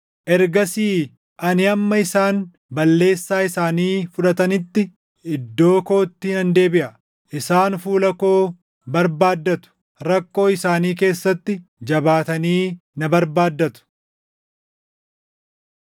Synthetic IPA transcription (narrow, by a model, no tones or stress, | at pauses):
ʔɛɾɡɐsiː | ʔɐnɪɐmːɐɪsaːn | bɐlːe̞ːsːaːɪsaːniːfʊᶑɐt̪ɐnɪt̪ːɪ | ʔɪd̪ːo̞ːko̞ːt̪ːiːnɐnd̪e̞ːbɪʔɐ | ʔɪsaːnfuːlɐko̞ː | bɐɾbaːd̪ːɐt̪ʊ̥ | ɾɐkːo̞ːɪsaːniːke̞ːsːɐt̪ːɪd͡ʒɐbaːt̪ɐniːnɐbɐɾbaːd̪ːɐt̪ʊ̥